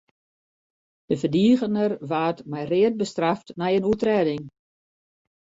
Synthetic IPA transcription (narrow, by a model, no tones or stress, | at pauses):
d̥əvədiːɣənərʋaːtmɛjrɪət̚bəstraftnɛjənutrɛːdɪŋ